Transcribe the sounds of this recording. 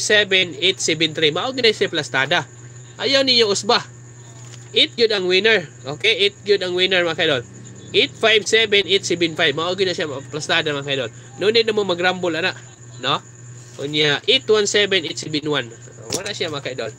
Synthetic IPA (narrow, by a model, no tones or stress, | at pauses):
sɛbɛnet̪sɛbɛnt̪ɾimaʔɡinasaplast̪aːd̪a | ʔajawnɪɲoʔʊsba | ʔɪt̪̚ɡʊd̪aŋwɪnɛɹʔokeʔɪt̪̚ɡʊd̪aŋwɪnɛɹmakajd̪on | ʔet̪̚fajbsɛbɛnet̪sɛbɪnfajbmaʔuɡɪnaʃjaplast̪ad̪amakajd̪on | nunɪt̪namomɐɡɾambʊlanaʔ | no | kʊnjaʔʔet̪wansɛbɛnʔɪt̪sɛbɪnwan | waɾaʔsjamakaid̪on